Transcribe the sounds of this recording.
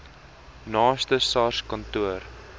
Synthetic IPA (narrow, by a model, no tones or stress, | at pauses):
nɑːstəsɑskɐntuər